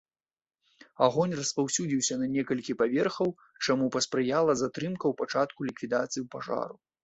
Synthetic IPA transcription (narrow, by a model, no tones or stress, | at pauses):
aɣɔnʲrɐspawsʲud͡zʲiwsʲɐnɐnʲɛkɐlʲkʲipavʲɛrxɐw | t͡ʂamupɐspɾɨjalˠɐzat̪ɾɨmkɐwpat͡ʂat̪̚kulʲikvʲid̪at̪sɨjiwpaʐa̰ɾu